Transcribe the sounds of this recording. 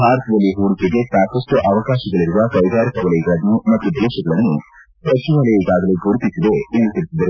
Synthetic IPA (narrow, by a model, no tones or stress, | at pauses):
bʱaːɾɐt̪ʰɐd̪ɐlːiɦuːɾisiɡ̪e̞saːkɐsʈuʔɐʋɐkaːʃɐɡɐɭiɾuʋɐkɐjd̪aːɾikɐʋɐlɐjɡɐɭɐnːumɐt̪ːud̪ɛːʃɐɡɐɭɐnːu | pɾɐt͡ʃimɐlɐjiɡaːɡɐleɡʱuɾut̪isid̪e̞ilːit̪iɾisid̪ɐɾ